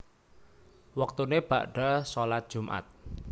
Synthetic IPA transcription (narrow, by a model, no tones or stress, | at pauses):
wək̚t̪uneb̥a̰ʔɖ̥a̤solat̪̚d̥ʒ̥umʔa̰t̪̚